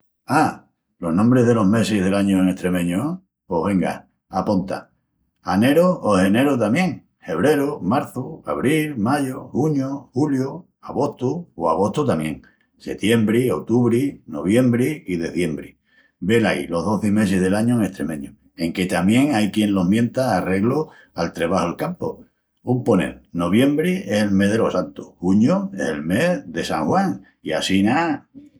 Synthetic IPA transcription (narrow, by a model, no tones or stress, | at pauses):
a | lo̞ɦnõmbɾe̞ɦðe̞lo̞ɦme̞siðe̞laɲoeŋe̞st̪ɾe̞mẽ̞ɲo | po̞ɦβe̞ŋɡa̰ | apont̪a̰ | ane̞ɾoːhe̞ne̞ɾot̪amjẽ̞ŋ | he̞β̞ɾe̞ɾomaɾθuaβɾilmaʝohuɲohuljo | aɣ̞o̞ht̪uːaɣ̞o̞ht̪ut̪amjẽ̞ŋ | se̞̰t̪je̞mbɾiot̪uβɾino̞̰β̞je̞mbɾiiðe̞θje̞mbɾi | be̞laḭlo̞ɦðo̞θeme̞s̬eɦðe̞laɲoeŋe̞ht̪ɾe̞̰mẽ̞ɲo | eŋke̞t̪amjẽ̞ŋajkjẽ̞nlo̞ɦmjẽ̞nt̪aːre̞ɣlo | alt̪ɾeβahoelkampo | umponḛlno̞β̞je̞mbɾieselme̞ɦðe̞lo̞sant̪uhuɲoḛselme̞ðe̞sa̰ŋhwaŋ | ia̰sina